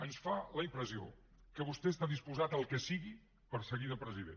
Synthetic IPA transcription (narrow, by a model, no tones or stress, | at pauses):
ənsfaləimpɾəzio̰ | kəβust̪ɛəst̪aðispuzat̪əlˠkəsiɣi | pəɾsəɣiðəpɾəziðḛn